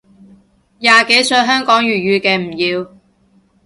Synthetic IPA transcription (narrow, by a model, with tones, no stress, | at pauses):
jaː˨ke˨˥jsɵ˧ɥɦœː˥ŋkɔː˨˥ŋjyː˨˩jyː˧kɛː˧m̩˨˩jiː˧w